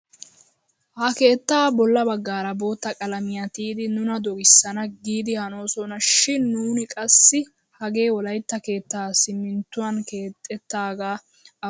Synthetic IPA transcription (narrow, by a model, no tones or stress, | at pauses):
hɐke̞ːt̪ːaːbɔlːɐbɐɡːaːɾɐbo̞ːt̪ːɐkʼɐlɐmɪjɐt̪iːd̪ɪnʊnɐd̪ɔɡɪsːɐnɐɡiːd̪ɪhɐno̞ːsɔnɐʃɪnːuːnɪkʼɐsːɪ | hɐɡe̞ːwɔlɐjt̪ːɐke̞ːt̪ːaːsɪmːɪnt̪ːʊwɐnkeːt̪ʼːɛt̪ːaːɡaː